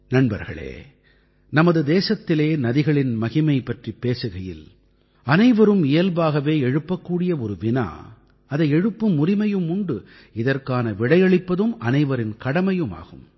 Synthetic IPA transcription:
nɐnbɐɾɣɐ̰ɭḛː | nɐmɐðɯd̪eːsɐt̪ːɪleːnɐðɪɣɐɭɪnmɐɣɪmɐɪpɐʈripːeːsɯɣɐjɪ̰l | ɐnɐɪʋɐɾɯmɪjɐlbaːɣɐʋeːɛɻɯpːɐkːuːɽɪjɐɔɾɯʋɪna̰ː | ɐðɐɪɛɻɯpːɯmːʊrɪmɐjɯmʊɳɖɯ | ɪðɐrkaːnɐʋɪɽɐɪjɐɭɪpːɐðɯmɐnɐɪʋɐɾɪnkɐɽɐmɐjɯma̰ːɣɯm

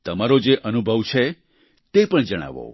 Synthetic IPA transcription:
t̪əmaɾod͡ʒeʔənubʱəʋt͡ʃʰe | t̪epəɳd͡ʒəɽ̃a̰ʋo̰

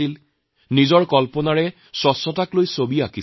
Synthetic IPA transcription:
il | nizɔɹkɔlpɔnaɹɛ | sɔsːɔtaklojsobiaki

